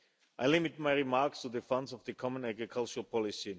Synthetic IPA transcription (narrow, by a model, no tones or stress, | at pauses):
ʔaɪlɪmɪt̚maɪɹimaɹkstuðəfãndsɔvðəkʰɔmə̃næɡɹikʰalˠt͡ʃəlpʰɔlɪsi